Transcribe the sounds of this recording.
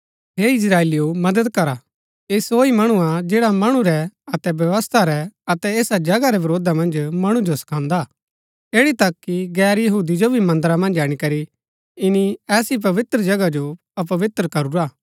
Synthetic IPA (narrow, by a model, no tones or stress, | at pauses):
ɦeɪs̬ɾaːeːlijomɐd̪əd̪kɐɾa | esoːimɐɽ̃uad͡ʒeːɽamɐɽ̃ũɾɛɐt̪ɛbjɐʋəst̪ʰaɾɛɐt̪ɛeːsad͡ʒɐɡaɾɛbɐɾoːd̪amɐ̃nd͡ʒmɐɽ̃ũd͡ʒosɐ̥kʰãːnd̪a | eːɽit̪ɐkːiɡɛːɾjɐɦuːd̪id͡ʒobʱimɐ̃nd̪əɾamɐ̃nd͡ʒaːɽ̃ikɐɾi | ɪniɛːsip̬ɐʋɪt̪ɾəd͡ʒɐɡad͡ʒo | ɐpɐʋɪt̪ɾəkɐɾuɾaː